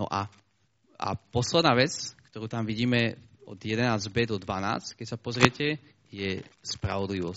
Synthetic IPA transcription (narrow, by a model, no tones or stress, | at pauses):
nɔ̰ʔa | a̰pɔslɛd̪naːʋɛt͡skt̪ɔɾuːt̪amʋiɟiːmɛɔ̰d̪jɛd̪ɛnaːzbɛd̪ɔd̪ʋana̰ːt͡sckɛcsapɔzɾɪɛcɛ | jɛspɾa̰ʋɔd̪liʋɔ